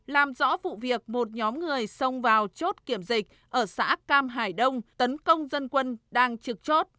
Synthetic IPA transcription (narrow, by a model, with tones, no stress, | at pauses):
laː˨˩mzɔ̰˧˥vṵ˧˨vi˨˩ək̚mo˨˩t̚ɲɔ˨˦mŋɨ˨˩əjsə˧wŋ͡mvaː˨˩wt͡ɕo˦˥t̚ki˧˩əmzï˨˩k̟̚ | ʔəː˧˩sa̰ː˧˥kaː˧mɦaː˨˩jɗə˧wŋ͡mt̪ə˨˦nkə˧wŋ͡mzə˧nkwə˧nɗaː˧ŋt͡ɕɨ˨˩k̚t͡ɕo˦˥t̚